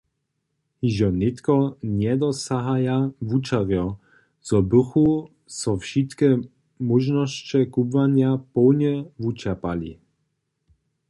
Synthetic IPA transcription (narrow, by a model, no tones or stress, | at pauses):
hiʒɔnɪt̪kɔɲɛd̪ɔsaɦajavut͡ʃaɾjɔ | z̥ɔbuxu | sɔfʃit̪kɛ | muʒnɔst͡ʃɛkubvaɲjapɔwɲɛvut͡ʃapalḭ